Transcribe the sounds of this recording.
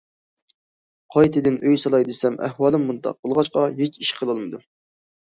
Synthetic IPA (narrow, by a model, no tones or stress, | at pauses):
qʰɑjt̪ʰɨd̪ɪnʔøjsɑlˠɑjd̪ɨsɛmʔɛ̰hwɑːlˠɨmːunt̪ɑ̰q̚bolˠʁɑt͡ʃqɑɦet͡ʃiʃqʰəlˠɑlˠmɨd̪u